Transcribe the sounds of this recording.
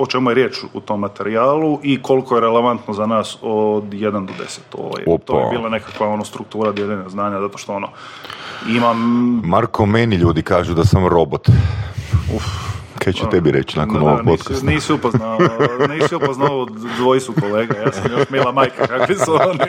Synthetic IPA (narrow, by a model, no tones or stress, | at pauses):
ot͡ʃemujeɾjeːt͡ʃut̪omːat̪e̞ɾiaːlˠuʔiko̞likojeɾele̞ʋant̪nozanaːsod̪jed̪and̪od̪e̞̰se̥t̪o̰ʋo̰jḛotp̪o̰ebiːlˠane̞kakʋao̞nost̪ɾuk̚t̪uːɾad̪jeʎeɲaznaːɲazat̪o̞ʃt̪o̞o̞no | imammaɾkomeniʎuːd̪ikaːʒud̪asamɾobot̪ | ufkʰat͡ʃet̪ebiɾet͡ʃinaːkonoʋoɡpok̪asniːsiupoznaniːsiuoznaaod̪ʋojisukoleːɡajaːsamjoʃmilˠamajkakakʋisuoni